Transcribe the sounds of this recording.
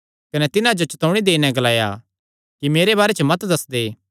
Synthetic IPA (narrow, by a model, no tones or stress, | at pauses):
kɐnɛt̪ɪnãd͡ʒot͡ʃɐt̪ɔ̃ʊɽ̃id̪eːinɛ̃ɡɐlaːja̰ | kimeːɾebaːɾet͡ʃʰəmɐt̪d̪ɐsd̪eː